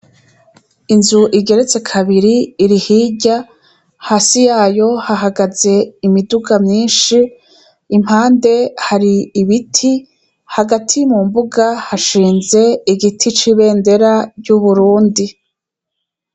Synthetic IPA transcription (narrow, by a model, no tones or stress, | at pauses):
inzuʔiɟe̞ɾe̞t͡se̞kʰaβiɾiːɾihiːɟa | haːsijaːjo̞haɦaɡaze̞imiduɡamɲiːnʃiː | m̥haːnde̞haɾiːβitʰi | haɡatʰimumbuɡahaʃiːnze̞iɡitʰit͡ʃiβe̞ːnde̞ɾaɾɟuβuɾuːndi